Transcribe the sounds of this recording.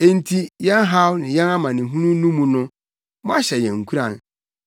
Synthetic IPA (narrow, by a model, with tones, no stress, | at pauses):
e˦n̩˦tʰi˦jɛ˦nɦa˦wnɪ̃˨jɛ̃˦na˦mã˨nɪ̃˨ɦũ˦nũ˦nũ˦mũ˨nʊ̃˦ | mɔ̃˦a˦ɕɛ˨jɛ̃˨ŋ̩˨kʰu˦ɾã˨n